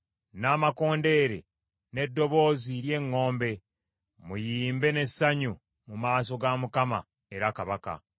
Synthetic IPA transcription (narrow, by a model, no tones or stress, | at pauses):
naːmako̞ːnde̞ːɾe̞̰ | ne̞dːo̞βo̞ːziɾje̞ŋːo̞ːmbe̞ | mujiːmbe̞ne̞saɲu | mumaːso̞ɡamukama̰ | e̞ɾakaβaka̰